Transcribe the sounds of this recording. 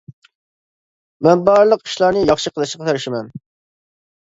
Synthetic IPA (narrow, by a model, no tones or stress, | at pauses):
mɛnbɑɾlˠəqi̥ʃlˠɑɾnɨjɑχʃɨqʰəlˠɨʃqɑt̪ʰeɾɪʃɪmɛn